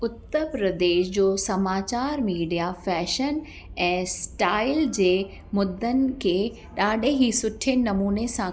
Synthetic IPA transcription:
ʊt̪ːəɾpɾɐd̪eːʃd͡ʑoːsɐmaːt͡ɕaːɾmiːɖijafɛːʃən | ɛ̃ːsʈaːɪld͡ʑeː | mʊd̪ʱːənɪ̆kʰeː | ɗaːɗeɦisʊʈʰɪnɪnɐmuːnesã

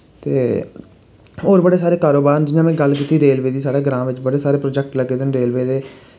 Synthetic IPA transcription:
t̪ḛː | oːɾbəɽeːsaːɾeːkaːɾoːbaːɾnd͡ʒɪnãːmɛ̃ːɡəlkiːt̪iːɾeːlʋeːd̪iːsaːɽeːɡəɾãːʋɪt͡ʃbəɽeːsaːɾeːpɾoːd͡ʒɛk̚ʈləɡeːd̪ɪnɾeːlʋeːd̪eː

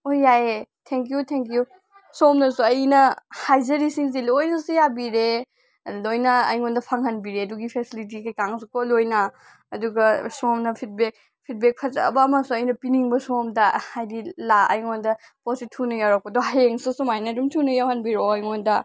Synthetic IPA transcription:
ojːaetʰeŋkijutʰeŋkju | somnɐsuɐjnɐhajzɐɾisiŋs̬ilojnɐsujabiɾe | lojnɐ̰ːjŋondɐpʰaŋhɐnbiɾeɐduɡipʰesilit̬ikɐjkaŋsukolojnɐ | ɐduɡɐsomnɐpʰit̚bek̚ | pʰit̚bek̚pʰɐzɐ̰bɐːmasuɐjnɐpiniŋbɐsomdɐhajdilaɐ̰jŋondɐ | positʰunɐjawɾak̚pɐdoɦajeŋsusumajnɐdumtʰunɐjawhɐnbiɾoɐjŋondɐ

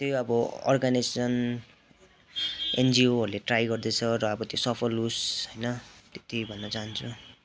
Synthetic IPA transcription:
t̪joʌbʌʌ̰rɡanisesʌn | end͡zioɦʌɾuleʈrajɡʌrd̪et͡sʰʌrʌːbʌt̪josʌpʰʌlːusʌjnʌt̪et̪ibʱʌnːʌt͡saɦʌnt͡sʰu

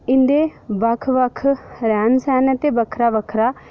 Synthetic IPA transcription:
ɪnd̪eːbəkʰʋəkʰɾɛːnsɛːnət̪eːbəkʰɾaːbəkʰɾaː

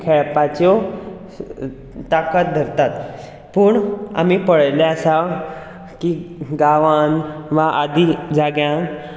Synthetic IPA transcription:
kʰɛɭpat͡ɕɔ | t̪akət̪̚d̪ʱəɾt̪at̪ | puːɳa̰m̤ipəɭəjlãəsa | kiɡaʋanʋaʔad̪ʱid͡zaɡjãn

